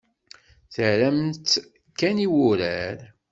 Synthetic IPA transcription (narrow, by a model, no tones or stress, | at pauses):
θəʕɾæmt̪ | kːæniwʊɾæɾ